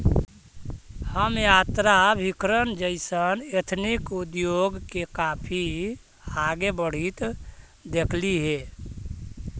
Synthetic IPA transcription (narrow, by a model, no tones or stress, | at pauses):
həmjat̪ɾabʱikɾənd͡ʒəɪsənet̪ʰnikud̪joɡkekapʰi | haɡebəɽ̤it̪ | d̪ekʰliɦe